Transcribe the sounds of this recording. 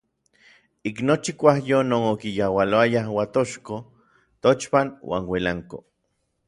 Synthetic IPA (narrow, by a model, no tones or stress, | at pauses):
iknot͡ʃikʷahjonoːnokijawaloajahwat̪oʃko | t̪ot͡ʃpanwa̰ːnwelaŋko̰